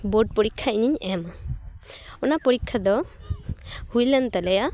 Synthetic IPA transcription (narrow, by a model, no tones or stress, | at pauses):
bɔɖ̚pɔɽikʰːaiɲiɲɛma | ɔnapɔɾikʰːad̪ɔ | hujlɛnt̪alɛja